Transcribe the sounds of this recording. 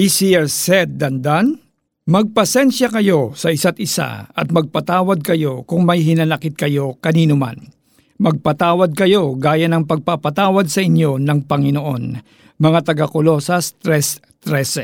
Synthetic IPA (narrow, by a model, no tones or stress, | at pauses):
ʔisiɛɹsɛt̪̚d̪ɐnd̪an | mɐɡ̚pɐsɛnʃɐkɐjo̞sɐʔɪsat̪̚ʔɪsa̰ɐt̪̚mɐɡ̚pɐt̪aːwɐd̪̚kɐjo̞kʊŋmɐjɦɪnɐnɐkɪt̪̚kɐjo̞kɐniːnʊma̰n | mɐɡ̚pɐt̪aːwɐd̪̚kɐjo̞ɡaːjɐnɐŋpɐɡ̚papɐt̪aːwɐd̪̚sɐʔɪɲjo̞nɐŋpɐŋɪnoʔo̞n | mɐŋat̪ɐɡakolo̞sɐst̪ɾɛs | t̪ɾɛsɛ